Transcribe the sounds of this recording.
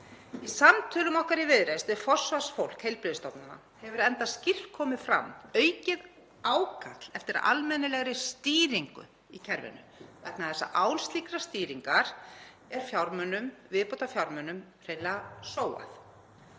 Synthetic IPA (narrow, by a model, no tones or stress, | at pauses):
isamt̪ʰœːlʏmɔhkaɾivɪðɾest̪ɪfɔ̥svasfowl̥khejlpɾɪðst̪ɔpnana̰ | hɛvʏɾɛnt̪ascɪr̥tkʰɔːmɪfɾa̰mːœːɥcɪð | aːwkʰat̪l̥ɛft̪ɪɾa̰lmɛnːɪlɛɣɾɪst̪iːɾiŋkʏ̰ | icʰɛɾvɪ̰nʏ̰ | vɛknaðθɛsːa̰ʔaːwnst̪likɾast̪iːɾiŋkaɾ̥ | ɛɾ̥fjawɾmœnʏmvɪðpɔwt̪afjawɾmœnʏm | r̥ejlasoːwa̰θ